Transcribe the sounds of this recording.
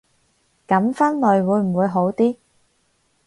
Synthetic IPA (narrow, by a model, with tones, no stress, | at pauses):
kɐ˨˥mfɐ˥nlɵ˨˧ɥwuː˨˧jm̩˨˩wuː˨˧jɦo˨˥wt̪iː˥